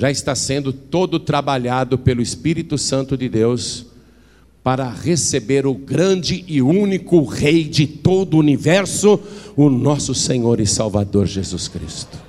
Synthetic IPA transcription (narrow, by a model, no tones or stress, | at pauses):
ʒaɪst̪asẽnd̪ʊt̪od̪ʊt̪ɾabaʎad̪ʊpelʊɪspiɾit̪ʊsɐ̃nt̪ʊd͡ʒɪd̪ews | paɾɐʁesebeɾʊɡɾɐ̃d͡ʒɪʔɪũnikʊʁejd͡ʒɪt̪od̪ʊunivɛɾsʊʊnɔsʊsẽɲoɾɪsawvad̪oɾʒezuskɾḭst̪ʊ̥